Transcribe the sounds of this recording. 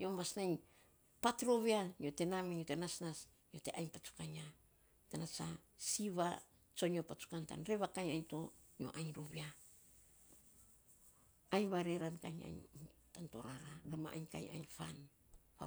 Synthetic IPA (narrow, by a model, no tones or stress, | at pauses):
ɲjo̞masnajɲ | patɾo̞βiaɲo̞te̞namiɲotenasnas | ɲiote̞ʔajɲpat͡ʃu̥kaɲa | tanat͡ʃa̰siβa | t͡ʃo̞ɲopat͡ʃu̥kanta̰nɾe̞βakajajnto̞ | ɲo̰ʔajɲɾoβia | jɲβaɾe̞ɾanka̰jɲa̰jɲtanto̞ɾaɾaɾama̰ʔa̰ɲka̰ja̰jɲfa̰n | a